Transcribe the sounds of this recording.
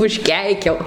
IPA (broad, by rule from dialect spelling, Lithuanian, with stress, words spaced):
ʊʃʲˈkʲɛɪkʲɛʊ